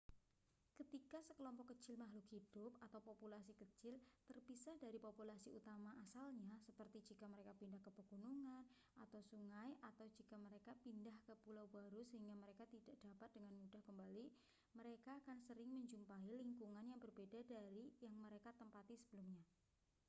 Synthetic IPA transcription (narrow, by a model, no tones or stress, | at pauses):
kət̪ikasəkəlɔmpɔkːət͡ʃɪlmaɦlʊkhid̥ʊp̚at̪awpopulasikət͡ʃɪlt̪ərpisahdaɾipopulasiut̪amaʔasalɲasəpərt̪id͡ʒikaməɾekapindahkəpəɡ̥unuŋan | at̪awsuŋajat̪awd͡ʒikaməɾekapindahkəpulawbaɾusəɦiŋɡaməɾekat̪idaʔd̥apat̪̚dəŋanmudahkəmbali | məɾekaːkansəɾɪŋməɲd͡ʒumpailiŋkuŋanjaŋbərbedadaɾijaŋməɾekat̪əmpat̪isəbəlumɲa